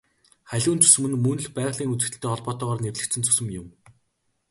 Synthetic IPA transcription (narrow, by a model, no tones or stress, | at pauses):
χæɮʲuːnt͡ɕɵ̥sɘ̆mɘ̆nmɵn̆ɮpæːʁɮiːŋut͡sɘ̆xt̪ɘ̆ɬt̪ːeːɔɮpɔːt̪ɔːʁɔːrnerɮɘ̆kt͡sʰɘ̆nt͡sʰʊ̥sɵ̆mjʊm